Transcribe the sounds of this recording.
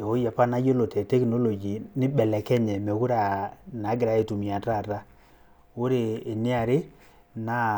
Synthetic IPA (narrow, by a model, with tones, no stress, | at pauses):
e˨o˨˦ja˨pa˦na˦jo˦lo˨tɛ˨tɛ˦kno˦lo˨d͡ʒi˨nɪ˦bɛ˨lɛ˨kɛ˦ɲɛ˨me˨ku˦ɾa˨na˨˦ɡɪ˨ɾa˨˦e˨tu˨mi˨a˨ta˦˨ta˦ | ʊ˦ɾeː˨ni˦a˨ɾɪ˦ | na˦